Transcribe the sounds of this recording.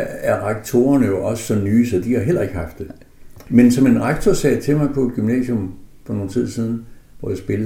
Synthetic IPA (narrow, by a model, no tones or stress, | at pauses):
æɐʁɑɡ̥̚t͡sʰo̝̰ːɐnəjo̝ʔɒ̽sə̥sɒ̽nyːsɒ̽d̥ihɑ̈ɦel̰ɐe̝ɡ̥əhɑ̈fd̥e̝ | mensɒ̽me̝nʁaɡ̥̚t͡sʰɒsɛ̰ːt͡sʰe̝lmɑ̈ɪpʰɒ̽e̝d̥ɡ̥ymnɛ̰ːsjɔ̽mfɒ̽no̝ːn̩t͡sʰið̞̰ˠsiːð̞ˠn̩ | ʋɒjäɪsb̥e̝l